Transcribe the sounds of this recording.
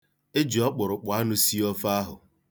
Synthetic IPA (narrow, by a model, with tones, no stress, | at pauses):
e˦d͡ʒi˨ɔ˦k͡pʊ˨ɾʊ˨k͡pʊ˨a˦nʊ˦si˦ɔ˦fa˦ɦʊ̰˨